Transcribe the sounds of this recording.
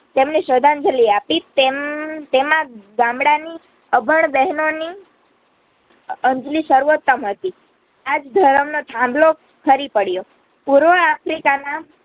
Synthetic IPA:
t̪emneʃəd̪ʱand͡ʒəliapit̪emt̪emãɡãmɽani | əbʱəɳbɛɦnoni | əɲd͡ʒliʃəɾuʋot̪ːəmɦət̪i | ad͡ʒd̪ʱəɾəmnot̪ʰãmblo | kʰəɾipəɽjo | puɾʋəapʰɾikana

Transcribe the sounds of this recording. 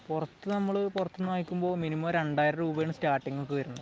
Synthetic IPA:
purɐt̪ːɨnɐmːɐɭɨpurɐt̪ːɨnːaːjikʲːumbo̞ːminimɐmɾeɳɖaːjiɾɐɾuːbɐjɳɨsʈaːrʈːiŋːɐɭkɨɣɐɾunːuð

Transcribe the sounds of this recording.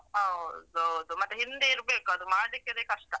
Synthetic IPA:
aːod̪od̪umɐt̪ːeɦind̪eiɾbeːkuɐd̪umaːɽlikːed̪ekɐʂʈɐ

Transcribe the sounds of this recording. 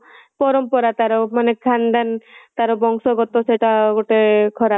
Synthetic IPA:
pɔɾɔmpɔɾat̪aɾomanekʰand̪ʱant̪aɾobɔŋsɔɡɔt̪oseʈaɡoʈekʰɔɾa

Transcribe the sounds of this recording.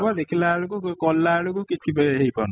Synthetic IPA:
bad̪ekʰilalukukɔlːaɭukukit͡ʃʰibɦejpan

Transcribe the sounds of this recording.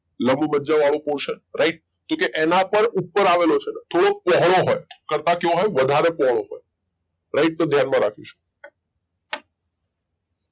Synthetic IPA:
ləmbməd͡ʒaʋaɭopoɾʃəɾaiʈ̚ | kõkeʔenapəɾupːəɾaʋelot͡ʃʰenet̪ʰoɽok̚pɔɦɭ̃oɦɔjkəɾt̪akjõɦɔjʋəd̪ʱaɾepɔɦɭ̃oɦɔ̰j | ɾaiʈ̚t̪od̪ʱjanmãɾakʰĩʃu̥

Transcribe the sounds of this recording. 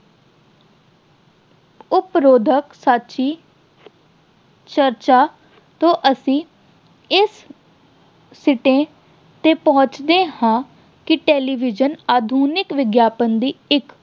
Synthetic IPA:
ʊpɾoːd̪ʱəksaːt͡ʃiː | t͡ʃəɾt͡ʃaː | t̪õːʔəsĩː | ɪs | ɪʈẽː | t̪eːpɔɦʊ̃t͡ʃd̪eːhãː | kɪʈeːliːʋɪd͡ʒənaːd̪ʱuːnɪkʋɪɡjaːpənd̪iːɪk

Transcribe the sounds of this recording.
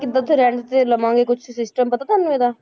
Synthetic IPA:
kɪd̪at̪ʰɾɛ̃ːɳɖt̪eləmãːɡekʊt͡ʃʰsɪsʈəmpət̪aːt̪ʰanũeːd̪aː

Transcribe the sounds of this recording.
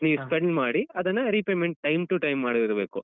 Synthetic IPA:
niːʋuspeɳɖmaːɽiɐd̪ɐnːɐɾipeːmeɳʈ̚ʈɐjmʈuʈɐjmːaːɽiiɾɐbe̞ːku

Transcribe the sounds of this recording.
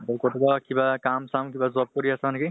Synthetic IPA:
t̪ɔkɔʈubakibakamsamkibazɔp̚kɔɾiasanki

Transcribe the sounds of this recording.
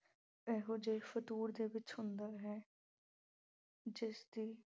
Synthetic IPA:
ɛːɦoːd͡ʒeːfət̪uːɾd̪eːʋɪt͡ʃhʊnd̪aːɦɛː | d͡ʒɪsd̪iː

